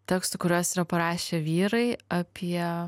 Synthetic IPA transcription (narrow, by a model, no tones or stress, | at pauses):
t̪ʲɛkst̪ʊkʊɾʲoːsɪɾɐpɐɾɑːʃʲeːʋʲiːɾɐɪɐpʲiɛ